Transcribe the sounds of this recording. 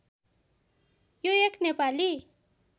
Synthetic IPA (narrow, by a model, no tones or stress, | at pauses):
joeknepali